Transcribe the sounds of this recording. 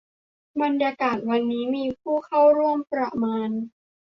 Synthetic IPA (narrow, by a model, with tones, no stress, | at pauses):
ba˧njaː˧kaː˨˩t̪̚wa˧nːiː˦˥miː˧pʰuː˥˩kʰa˥˩wɾu˥˩əmpɾa˧maː˧n